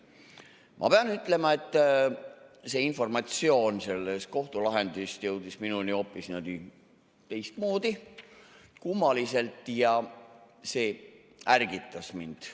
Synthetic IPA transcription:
mʔɑ̰pe̞ɑnyt̪ːˑle̞mɑe̞t̪ˑː | se̞info̞rmɑt̪sio̞ːnse̞lːe̞st̪ko̞ht̪ulɑɦe̞nd̪̥ist̪jɤwd̪̥isminunio̞pːˑisnɑd̪i | t̪e̞jst̪mo̞ːd̪i | kumːɑlise̞lt̪ˑjɑ | se̞ː | ærɡit̪ːˑɑsmind̪̥

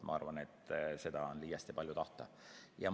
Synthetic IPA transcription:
mʔɑ̰ɑrvɑne̞t̪ːse̞d̪̥ɑonliːjɑst̪ipɑljut̪ɑht̪ɑ̰ | jɑ̰

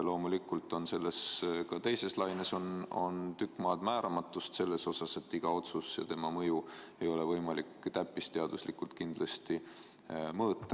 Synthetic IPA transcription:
lo̞ːmulikːˑult̪ˑo̞nse̞lːe̞skɑt̪e̞jse̞slɑjneso̞no̞̰nt̪ykːˑmɑːd̪̥mæːɾɑmɑt̪ːˑust̪se̞lːe̞so̞sɑse̞t̪ːiɡ̥ɑo̞t̪susjɑ̰t̪e̞mɑmɤjue̞jo̞le̞vɤ̞jmɑlikːt̪æpːˑist̪e̞ɑd̪̥uslikːˑult̪kind̪̥lɑst̪i | mɤːt̪ˑːɑ

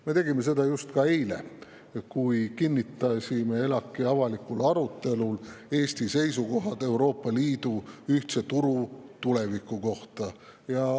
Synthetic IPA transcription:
me̞t̪e̞ɡime̞s̬e̞d̪ɑjust̪kɑe̞jlḛ | kujkinʲːit̪ːˑɑsʲime̞e̞lɑkːˑiɑvɑlikːˑulɑɾut̪ːˑe̞lule̞ːsʲt̪ise̞jsuko̞ɦɑd̪e̞wɾo̞ːpːˑɑliːd̪̥uyht̪se̞t̪uɾut̪ule̞vikˑːuko̞ht̪ɑ | jɑ

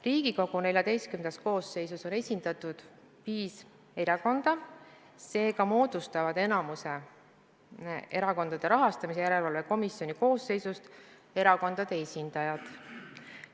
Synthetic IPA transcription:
riːɡ̥iko̞ɡ̥unelʲjɑd̪̥e̞jst̪kymnes̚ko̞ːsːe̞jsuso̞ne̞sʲind̪̥ɑt̪ud̪̥ | piːs | e̞ɾɑko̞nd̪̥ɑ | se̞ːɡɑmo̞ːd̪̥ust̪ɑvɑd̪̥e̞nɑmuse̞ | e̞ɾɑko̞nd̪̥ɑd̪̥e̞ɾɑɦɑst̪ɑmis̬e̞jæɾe̞lvɑlve̞ko̞misjo̞niko̞ːsːe̞jsust̪ | e̞ɾɑko̞nd̪̥ɑd̪e̞esʲind̪̥ɑjɑd̪̥

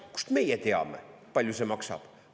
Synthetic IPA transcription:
ku̥ʃt̪umejɐt̪eɔ̰mɐ̰pɐʎuzɐ̃mɔkʃɔ̰p

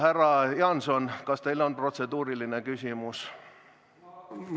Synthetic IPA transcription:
hærːɑjɑnsonkɑst̪eilonpro̞t̪sed̪uːɾilinekysʲimus

